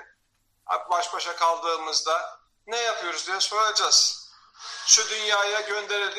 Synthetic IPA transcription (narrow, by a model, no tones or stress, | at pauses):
a̰pbaʃbaʃakʰalˠd̪ɯːmɯzd̪a | nɛjapʰɯjo̞ɾuzd̪ijɛso̞ɾad͡ʒaz̥ | ʃud̪ynjaːjaɟø̞nd̪e̞ɾelʲi